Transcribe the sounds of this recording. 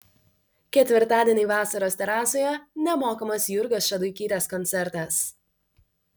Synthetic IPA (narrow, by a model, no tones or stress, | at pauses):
kʲɛt̪ʲʋʲɪɾt̪ɑːd̪ʲiɛnʲiːʋɑːsɐɾoːst̪ʲɛɾɑːsoːjɛnʲɛmoːkɐmɐsjʊɾɡɐsʃʲɐd̪ʊɪkʲiːt̪ʲɛskɔnʲt̪sʲɛɾt̪ɐs